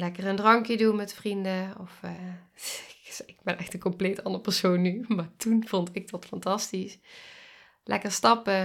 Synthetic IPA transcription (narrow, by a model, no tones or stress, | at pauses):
lɛkərəndrɑŋkjədunmɛtfrindəɔf | ɪɡbɛnʔɛxtəkɔmplejtɑndəɹəpɛɹsownːymaːɹtunv̥ɔntɪɡ̚dɑtfɑntɑstis | lʔɛ̰kəɹstɑpə